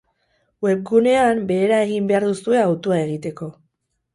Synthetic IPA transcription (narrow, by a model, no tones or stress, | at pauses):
we̞p̚ɡune̞ambe̞ːɾae̞ɣimbe̞aɾðusue̞awt̪uae̞ɣit̪e̞ko̞